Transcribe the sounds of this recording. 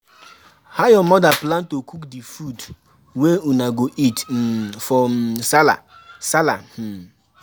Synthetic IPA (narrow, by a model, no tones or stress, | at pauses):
hajɔmɔdaplãntokukdifud | weunaɡoʔitfɔsala̰ | sala